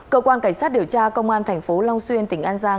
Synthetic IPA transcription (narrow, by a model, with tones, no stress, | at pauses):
kəː˧kwaː˧nka˧˩jŋ̟saː˦˥t̚ɗi˧˩əwt͡ɕaː˧kə˧wŋ͡mʔaː˧nt̪ʰɛ˨˩jŋ̟fo˨˦la˧wŋ͡mswi˧ənt̪ï˧˩ŋ̟ʔaː˧nzaː˧